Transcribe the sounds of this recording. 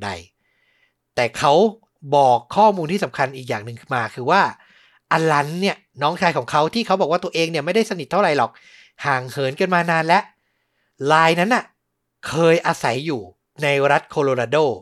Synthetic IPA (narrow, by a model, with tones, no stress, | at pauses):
da̰˧j | t̪ɛː˨˩kʰa˦˥w | bɔː˨˩kʰːɔː˥˩muː˧nt̪i˥˩sa˩˦mkʰa˧nʔiː˨˩k̚jaː˨˩ŋnɯ˨ŋkʰɯ˥˩maː˧kʰɯː˧waː˥˩ | ʔa˧nla˦˥nːi˥˩ɐnɔː˦˥ŋt͡ɕʰaː˧jkʰɔː˩˦ŋkʰa˦˥wt̪ʰiː˥˩kʰa˦˥wbɔ˨˩kwa˥˩t̪u˧ɐʔeː˧ŋni˥˩ma˥˩jda˥˩jsa˧ni˨˩t̪ʰːa˥˩ɾa˨˩˦jlɔː˨˩k̚ | haː˨˩ŋhɤː˩˦nka˧nmaː˧naː˧nlɛ˦˥ʔ | laː˧jna˦˥nːʔa˨˩ | kʰɤː˧jʔaː˧sa˩˦jːuː˨˩ | na˧jɾa˦˥t̪̚kʰoː˧loː˧ɾaː˧doː˥˩